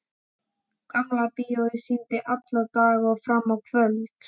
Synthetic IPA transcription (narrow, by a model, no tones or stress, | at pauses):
kamlapɪjowðɪsint̪ɪʔat̪lawt̪aːɣaɔfɾamːawkʰvœlt̪